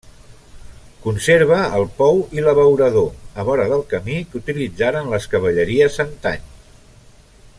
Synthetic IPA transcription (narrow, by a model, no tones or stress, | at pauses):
kunseɾβ̞əːlˠpɔwiləβəwɾəðoəβɔɾəðəlˠkəmikut̪ilid͡zaɾənləskəβ̞əʎəɾiəsant̪a̰ɲ